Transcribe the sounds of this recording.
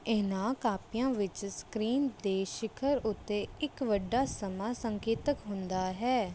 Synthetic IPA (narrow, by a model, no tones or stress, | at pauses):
ɪnaːkaːpɪjãːʋɪt͡ʃskɾiːnd̪eːʃɪkʰəɾʊt̪ːeːɪkʋəɖːaːsəmaːsəŋkeːt̪əkɦʊ̃nd̪aːɦɛː